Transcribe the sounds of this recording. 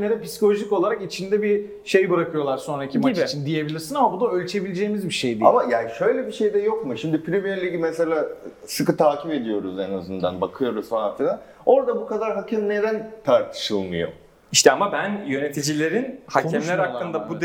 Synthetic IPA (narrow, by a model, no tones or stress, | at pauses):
ed̪ɛpisi̥kʰolʲoʒiko̞lˠaɾakit͡ʃʰind̪ɛbi | ʃe̞jbɯɾakʰɯjo̞lˠaɾso̞nɾaicʰimat͡ʃʰind̪ije̞bilʲiɾsinamabunuølʲt͡ʃʰe̞bilʲed͡ʒejimizbiʃejd̪iamajaːnʃø̞jlʲebiʃe̞jd̪ɛjo̞kmuʃimd̪ipʰɾʲimijeɾlʲiɡimɛselʲaː | sɯkɯt̪ʰaːcʰipe̞d̪ijo̞ɾuzenazɯnd̪anbakʰɯjo̞ɾuzfanat̪ɯna | o̞ɾd̪abukad̪aɾɦacʰɛmne̞d̪ænt̪ʰaɾt̪ʰɯ̥ʃɯlˠmɯ̰jo̞̰ | iʃt̪ɛamabænjø̞net̪ʰid͡ʒilʲe̞ɾinhaɛmllʲæɾhak̪ˠːɯnd̪abud̪